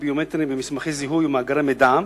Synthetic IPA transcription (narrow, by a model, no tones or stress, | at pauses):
bijomet̪ɾimbemismaχeziɦujumaːɡaɾamed̪am